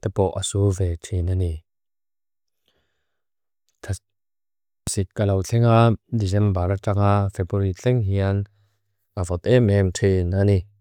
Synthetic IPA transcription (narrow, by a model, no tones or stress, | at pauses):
t̪ɛpɔʔasuvɛtʰinani | sit̪̚kalawt͡ɬʰɛŋadizɛmbaɾaʈ͡ʂaŋafɛbuɾit͡ɬɛŋɦian | ʔavɔt̪̚ɛmɛmtʰinani